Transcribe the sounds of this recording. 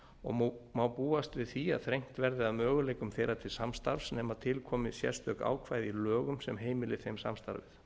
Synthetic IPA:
ɔ̰ɣmaːwpuːast̪vɪðθia̰ðθɾejŋ̥t̪vɛɾðɪaðmœːɣʏlejkʏmθejɾat̪ʰɪlsamst̪aɾvsnɛːmaðt̪ʰɪlkʰɔːmɪsjɛ̰̥st̪œka̰ːwkʰvaːjðilœːɣʏmsɛmɦeːjmɪlɪθejmsa̰mst̪a̰ɾvɪ̰θ

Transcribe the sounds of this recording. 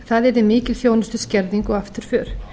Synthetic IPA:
θaðɛɾðɪmiːcɪlθjoːwnʏst̪ʏscɛɾðiŋkɔɣaft̪ʏɾ̥fʏːɾ̥

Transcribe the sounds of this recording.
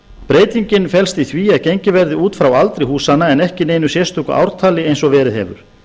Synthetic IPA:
pɾeːjt̪iɲcɪnfɛlst̪iθviːaðcejɲcɪvɛɾðɪuːt̪fɾawalt̪ɾɪhuːsanːaɛnɛhcɪneːjnʏsjɛst̪ukʏ̰ʔa̰wɾ̥t̪ʰaːlɪejnsɔvɛːɾɪðhɛ̰vʏ̰ɾ̥

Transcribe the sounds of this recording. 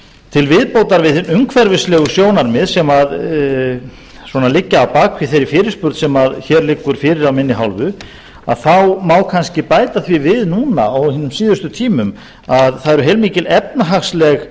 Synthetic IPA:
t̪ʰɪlvɪðpowt̪aɾvɪðɪnʏŋkʰvɛɾvɪslɛːɣʏsjoːwnaɾmɪðsɛmað | swɔnalɪcːaːwpaːkʰvɪθejɾɪfɪːɾɪɾ̥spʏɾt̪sɛmaðçɛɾlɪkːʏɾ̥fɪːɾɪɾawmɪnːɪɦawlvʏ | a̰ðθawmaːwkʰanscɪpaːjt̪aθvivɪðnuːna̰awhɪnʏmsiːðʏst̪ʏt̪ʰiːmʏm | aðθaðɛɾʏɦejlmiːcɪlɛp̚naɦaxslɛɣ

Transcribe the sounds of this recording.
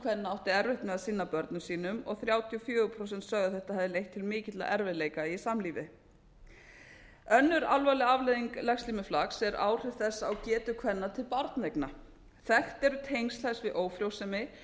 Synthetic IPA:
kʰvɛnːaawht̪ɪɛɾveht̪nmɛðasɪnːapœɾt̪nʏsiːnʏmɔ̰ɣθɾjaːwt̪ʰiɔfjœːɣʏpʰɾosɛnt̪sœːɣðaθɛht̪ahɛvðɪlejht̪ʰːɪlmɪːcɪt̪la̰ʔɛɾvɪðleːjkaisamliːvɪ | œnːʏɾalvaːlɪavleðiŋklɛxst̪liːmɪflaksɛɾʔa̰ːwr̥ɪθɛsːaːwcɛːt̪ʏkʰvɛnːat̪ʰɪlpaɾt̪nejkna | θɛht̪ɛɾʏt̪ʰejnst̪lajsvɪðʔoːwfɾjowsɛmɪ

